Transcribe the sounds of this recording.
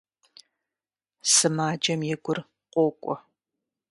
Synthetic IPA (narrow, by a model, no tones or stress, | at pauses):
sɨmaːd͡ʒɐmjɛɡʷʊr | qʷʼoːkʷʼɔ